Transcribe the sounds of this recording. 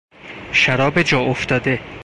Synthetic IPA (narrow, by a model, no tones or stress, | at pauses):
ʃæɾɒːbed͡ʒɒːʔoft̪ɒːd̪e